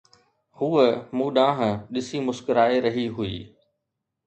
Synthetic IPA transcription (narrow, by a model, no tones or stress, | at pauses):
huːəmuːɗãːɦə̃̆ɗɪsimʊskɪɾaːeɾɐɦiɦuḭː